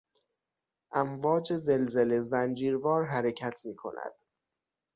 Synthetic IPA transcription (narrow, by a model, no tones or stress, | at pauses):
ʔæmvɒːd͡ʒeze̞lzele̞zænd͡ʒiːɾvɒːɾɦæɾecʰæt̪ʰmiːkʰo̞̰næ̰d̪̥